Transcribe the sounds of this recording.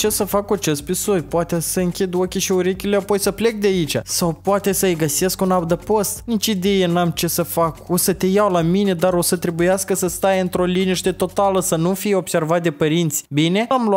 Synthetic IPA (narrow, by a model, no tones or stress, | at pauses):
t͡ʃe̞səfakuat͡ʃe̞st̪̚pisojpoat̪esəɨŋkʲid̪o̞kʲiʃiuɾe̞kʲileapo̞jsəple̞k̚d̪eait͡ʃa̰sawpoat̪e̞səɨjɡəse̞skunawd̪əpo̞st̪nit͡ʃid̪e̞jenamt͡ʃe̞səfako̞sət̪e̞jawlamine̞d̪aɾo̞sət̪ɾe̞bujaskəsəst̪ajɨnt̪ɾo̞liniʃt̪e̞t̪o̞t̪aləsənufijeo̞bse̞rvat̪̚d̪e̞pəɾint̪sʲbine̞aml